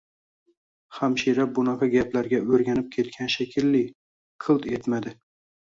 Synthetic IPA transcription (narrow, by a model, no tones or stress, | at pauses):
hamʃiɾabʊnɑqʰɑɡʲaplaɾɡʲaɵɾɡʲanɪp̚kʲʰe̞t̪̚kʲʰanʃakʲʰɪlːɪ | qʰɨlˠt̪et̪mad̪ɪ